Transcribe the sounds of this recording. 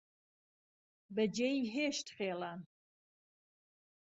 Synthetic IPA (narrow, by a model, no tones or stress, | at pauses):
bɐd͡ʒejiɦeːʃt̪χeːlaːn